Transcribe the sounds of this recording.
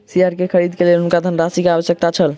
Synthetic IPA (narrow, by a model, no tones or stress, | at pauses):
siaɾkekʰəɾid̪kelelunkad̪ʱənɾasikeaβəsjək̚t̪at͡ʃʰəl